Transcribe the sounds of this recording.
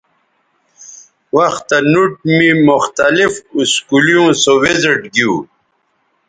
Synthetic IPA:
wɐxt̪ːanuʈ̚mimʊxt̪alifuskulijõːsowezeʈɡiuː

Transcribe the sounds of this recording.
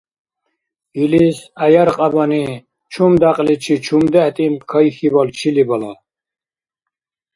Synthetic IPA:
ilisajaɾqʼabani | t͡ʃʰumd̪aqʼlit͡ʃʰit͡ʃʰumd̪ɛht̪ʼimpkʰajixibalt͡ʃʰilibala̰

